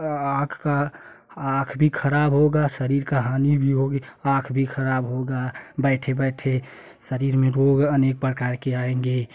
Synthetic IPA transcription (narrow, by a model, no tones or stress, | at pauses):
akʰka | akʰbʱikʰəɾaːbɦoɡasəɾiɾkaɦaːnibʱiɦoɡeakʰbʱikʰəɾaːbɦoɡabəɪʈʰebɛʈʰe | səɾiːɾmẽɾoɡənek̚pɾəkaːɾkeaẽŋɡe